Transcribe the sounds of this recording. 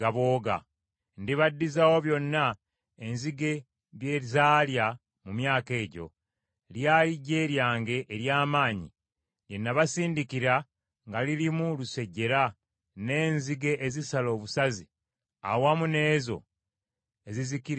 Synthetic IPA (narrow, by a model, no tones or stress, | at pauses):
aβo̞ːɡa̰ | ndiβadːizawo̞βjo̞nːa | enziɡe̞ | βje̞ːzaːlja | mumjaːke̞ːɟo̞̰ | ljaːliɟe̞ːɾjaːŋɡe̞ʔːɾjaːmaːɲḭ | je̞nːaβasiːndikiɾa | ŋɡalilimuluse̞ɟːe̞ɾa | ne̞ːnziɡe̞ʔːzisalo̞ːβusazi | a̰wamune̞ːzo̞̰ | eziziki